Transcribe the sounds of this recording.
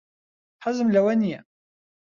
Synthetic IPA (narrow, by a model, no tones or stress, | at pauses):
ħəzəmlæwæni